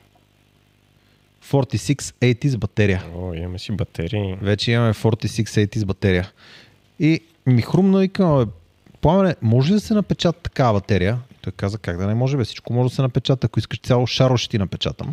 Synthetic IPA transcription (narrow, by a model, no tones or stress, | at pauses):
fɔɾt̪isiksɛjt̪izbɐt̪ɛɾijəoḭmɐmɛsibɐt̪ʰɛɾivɛt͡ʃɛimɐmɛfɔɾt̪isiksɛjt̪izbɐt̪ɛɾijə | i | mixɾumnoikəmɐɛ | pˠamənɛmɔʒɛd̪ɐsɛnɐpɛt͡ʃat̪ːɐ̥kaɐbɐt̪ɛɾijəit̪ɔjkazvəkaɡd̪ɐnɛmɔʒɛbifsi̥t͡ʃkomɔʒɛd̪ɐsɛnɐpɛt͡ʃat̪ɐkoiskəʃt̪sʲalˠoʃaɾoʃi̥t̪inɐpɛt͡ʃa̰t̪ə̰m